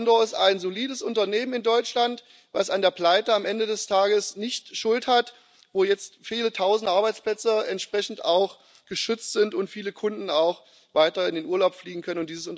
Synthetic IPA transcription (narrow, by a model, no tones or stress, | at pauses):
ndɔːɪstaɪnzoliːdəsʔʊntɐneːmənɪndɔʏt͡ʃlant | vasandeːɐpl̥aɪtəamʔɛndədɛstʰaːɡəsnɪçtʃʊlthat | voːjɛt͡stfiːlətʰaʊzn̩dəʔaɐbaɪt͡spl̥ɛt͡səɛntʃpʁ̥ɛçn̩taʊx | ɡ̥əʃʏt͡stz̥ɪntʊntfiːləkʰʊndn̩aʊx | v̥aɪtɐɪndeːnʔuːɐlaʊpfliːɡŋ̩kʰœnənʊntd̥iːzəsʊnt